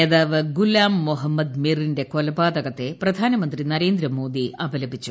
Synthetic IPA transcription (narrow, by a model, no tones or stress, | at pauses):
eðaːʋɨɡulaːmːoɦɐmːɐd̪miːrinde̞ko̞lɐbaːd̪ɐɣɐt̪ːe̞prɐd̪ʱaːnɐmɐnd̪rinɐɾe̞ːnd̪ɾɐmo̞ːd̪iɐbʱɐlɐbʱit͡ɕːu